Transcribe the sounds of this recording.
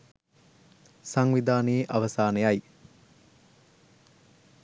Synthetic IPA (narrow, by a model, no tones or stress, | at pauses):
saŋʋid̪aːneːʔaʋɐsaːnejɐj